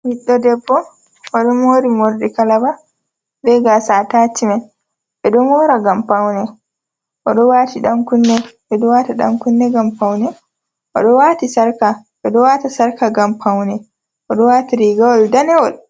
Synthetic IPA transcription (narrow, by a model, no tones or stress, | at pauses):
wiɗːɔdɛbːɔ | ʔɔɗɔmoɾimoɾɗɛkalaba | ɗɛɡasatat͡ʃːiman | ɓɛɗɔnɔːɾaɡampawnɛ | ʔɔɗɔwatiɗaŋkunːɛɓɛɗɔwaːtaɗa̰ŋkunːɛɡampawnɛ | ʔɔ̰ɗɔwatisaɾkaɓɛɗɔwaːtasaɾkaɡampʰawnɛ | ʔɔɗɔwaːtiɾiɡawaldanɛwɔl